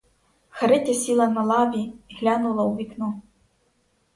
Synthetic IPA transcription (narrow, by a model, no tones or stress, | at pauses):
xɐɾɪtʲɐsʲilˠɐnɐlˠɑʋʲiɦlʲanʊlˠɐwʋʲiknu